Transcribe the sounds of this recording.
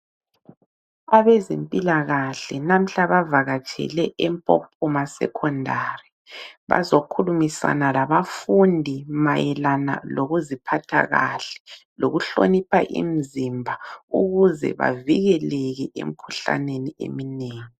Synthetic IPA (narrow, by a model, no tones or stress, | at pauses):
aβɛzempʼilaɣaɬɛnam̩ɬaβavaɣat͡ʃʰʼɛ̰lɛʔɛmpʼopʰumasɛ̰kʰɔndʱari | βa̰zokʰulumisa̰nalaβafundʱimajɛlana̰loɣuzipʰatʰa̰ɣa̰ɬɛ̥loɣuɬonipʰaʔḭm̩zimbʱauɣuzɛ̰βa̰viɣɛlɛɣɛʔḛm̩kʰuɬa̰neniḛmineːŋi